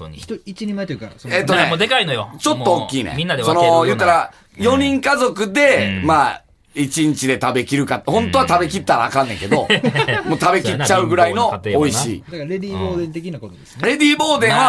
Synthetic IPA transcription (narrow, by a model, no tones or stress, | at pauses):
oit͡ɕiɲimat̪oka̰soeːt̪ːoned̪ekainojot͡ɕo̞t̪ːoːkʲːiːnḛ̃mĩnːad̪eso̞nojɯ̟ːt̪ːaɾa | jo̞ɲ̟ĩŋkazo̞kɯ̟d̪e̞maː | it͡ɕĩɲ̟t͡ɕid̪e̞t̪abe̞kʲiɾɯ̟kat̪ːhõ̞nt̪o̞βat̪abe̞k̬ʲit̪ːaɾa̰ːkãnːẽ̞ŋke̞d̪o̞moːt̪abe̞kʲit͡ɕaɯ̟ɡɯ̟ɾaino̞ːiɕḭːɾed̪ʲiːboːd̪ẽnt̪ekʲinakot̪od̪esnɾe̞d̪ʲiːbo̞ːd̪ẽ̞ɰ̃βa